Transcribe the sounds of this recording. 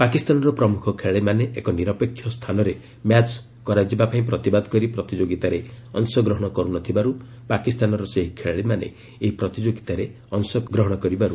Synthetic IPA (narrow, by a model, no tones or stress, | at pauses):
pakist̪anɔɾɔpɾɔmukʰɔkʰeɭɭimaneʔekɔniɾɔpekʰjɔst̪ʰanɔɾe | mjat͡ʃ | kɔɾad͡ʒibapaĩpɾɔt̪ibad̪ɔkɔɾipɾɔt̪id͡ʒoɡit̪aɾeɔnsɔɡɾɔɦɔɽ̃ɔkɔɾunɔt̪ʰibaɾu | pakist̪anɔɾɔseɦikʰeɭɭimanḛ | eɦipɾɔt̪id͡ʒoɡit̪aɾe | ɔnsɔɡɾɔɦɔɽ̃ɔkɔɾibaɾu